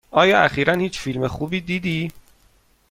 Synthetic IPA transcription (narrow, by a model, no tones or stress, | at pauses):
ʔɒːjɒːæ̰xiːɾænhiːt͡ʃfilmexuːbiːd̪iːd̪iː